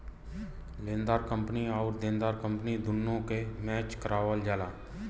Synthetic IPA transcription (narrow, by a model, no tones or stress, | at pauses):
lẽːnd̪aːɾkə̃mpniɔːɾd̪ẽːnd̪aːɾkə̃mpnid̪ʊnːõkemɛːt͡ʃkəɾaːʋəld͡ʒaːlaː